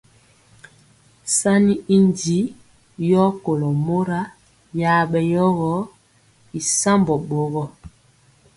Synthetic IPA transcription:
sa˦ni˦ʔi˦ndi˦ | jɔ˦ko˨lɔ˨mo˦ɾa˦ | ja˨ɓɛ˨jɔ˦ɣɔ˦ | i˨sa˦mbɔ˨ɓo˨ɣɔ˦

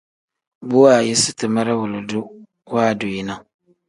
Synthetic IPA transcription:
bʊ˦a˨jɪ˦sɨ˦tɨ˨ma˦ɾa˦wʊ˨lʊ˨dʊ˦ | waː˦˨dʊ˨ji˦na˦

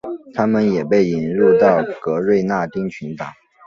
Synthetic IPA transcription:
t̪ʰa˥mə˨njɛ˨˩pe˥˩ɪi˨˩nɻu˥˧t̪ɑ˥˩ʊkɤ˧˥ɻwe˥˧ɪna˥˩t̪i˥ŋt͡ɕʰy˧˥nt̪ɑ˨˩˦ŋ

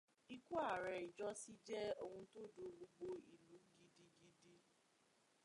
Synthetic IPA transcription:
i˦ku˦a˦˨ɾɛ˨i˨d͡ʒɔ˦si˦d͡ʒɛ˦o˦ŋũ˧˦to˦do˨ɡ͡bu˦ɡ͡bo˦i˨lu˨˦ɡi˦di˦ɡi˦di˦

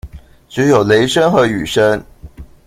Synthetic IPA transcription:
ʈ͡ʂ̩˨˥jo˨˩ʊle˧˦ɪʂə˦nxɤ˨˥y̰˨˩ʂə˥n

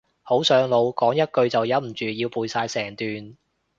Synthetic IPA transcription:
ho˨˥wsœː˨˥ŋlo˨˧wkɔː˨˥ŋjɐ˥t̚kɵ˧ɥt͡sɐ˨wjɐ˨˥nm̩˨˩t͡ʃyː˨jiː˧wpuː˧jsaː˧jsɛː˨˩ŋt̪yː˨n

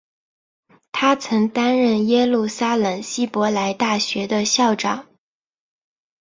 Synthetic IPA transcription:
t̪ʰa˥t͡sʰɤ˧˥ŋt̪a˥nɻə˥˩njɛ˥lu˥˩sa˥lə˨˩ŋɕi˥pwɔ˧˥la˧˥ɪt̪a˥˩ɕɥɛ˧˥d̪ə˧ɕjɑ˥˩ʊʈ͡ʂɑ̰˨˩˦ŋ

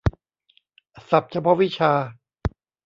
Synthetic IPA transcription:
sa˨˩p̚t͡ɕʰa˧pʰɔ˦˥ʔwi˦˥t͡ɕʰaː˧

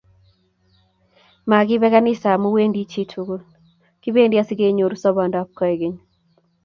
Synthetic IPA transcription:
ma˨ɡɪ˦bɛ˦ka˦nɪ˦sa˨mu˦we˦ndi˦t͡ʃi˦tʰu˨ɡu˦l | ki˦be˦ndi˦a˦si˦ɡe˦ɲo˨ɾu˦sɔ˦bɔ˨ndɔ˨ɔ˦p̚kɔ˦e˨ɡe˨ɲ

